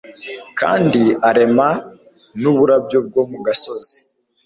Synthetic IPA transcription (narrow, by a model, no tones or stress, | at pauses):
kʰa̰ːndiaɾe̞ma | nuβuɾabjo̞b̚ɡo̞ːmuɡaso̞zi